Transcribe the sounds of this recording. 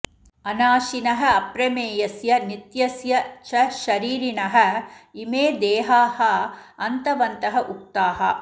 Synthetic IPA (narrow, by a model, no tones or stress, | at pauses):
ɐnaːʃinɐɦɐ̆ɐpɾɐmeːjɐsjɐnit̪jɐsjɐt͡ʃɐʃɐɾiːɾinɐɦɐ̆imeːd̪eːɦaːhɐɐnt̪ɐʋɐnt̪ɐɦɐʔuk̚t̪aːɦɐ̰